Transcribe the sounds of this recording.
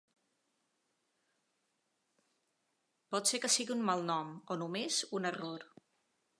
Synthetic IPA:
pɔt̪sekəsiɣiummalˠnɔmɔnumezunəroɾ

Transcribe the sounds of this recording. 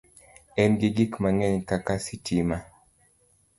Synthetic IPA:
ɛnɡiɡikmaŋɛɲkakasitima

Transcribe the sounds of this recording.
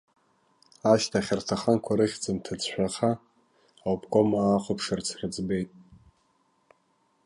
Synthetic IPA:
aʃtʰaχʲartʰaχankʷʰaɾɨχʲd͡zɨmtʰad͡zʰʃᶣʷaχaː | wpʰkʼomaːqʷʰopʰʂɨrt͡sʰrɨd͡zbe̞jtʼ

